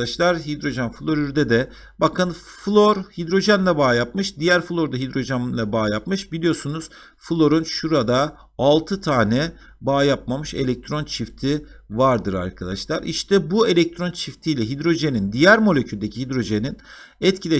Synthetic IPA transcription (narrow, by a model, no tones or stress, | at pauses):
aʃlˠaɾɦid̪ɾo̞ʒænfɯlˠo̞ɾyɾd̪ɛd̪ɛ | bakʰɯnflˠoɾhid̪ɾo̞ʒænlʲˠɛbaːjap̚mɯʃd̪ijæɾfɯlˠo̞ɾd̪aɦid̪ɾo̞ʒænlˠabaːjapmɯʃbilʲijo̞ɾsunuz̥ | fɯlˠo̞ɾunʃuɾad̪aː | lˠt̪ʰɯt̪ʰaːnɛ | baːjapmamɯʃe̞̰lʲɛc̚t̪ʰɾo̞nt͡ʃʰift̪ʰivaɾd̪ɯɾa̰ɾkʰad̪aʃlˠaɾiʃt̪ʰɛbue̞lʲɛc̚t̪ʰɾo̞nt͡ʃʰift̪ʰijlʲɛɦid̪ɾo̞ʒenind̪ijæɾmo̞lʲecʰylʲd̪ecʰiɦid̪ɾo̞ʒeninɛt̪cʰilʲɛ